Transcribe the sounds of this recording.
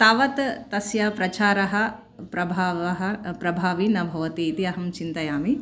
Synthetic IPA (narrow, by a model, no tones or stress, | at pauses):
t̪aːʋɐt̪t̪ɐsjapɾɐt͡ʃaːɾɐɦɐ | pɾɐbʱaːʋɐɦɐpɾɐbʱaːʋinɐbʱɐʋɐt̪iːit̪iɐɦɐmt͡ʃint̪ɐjaːmi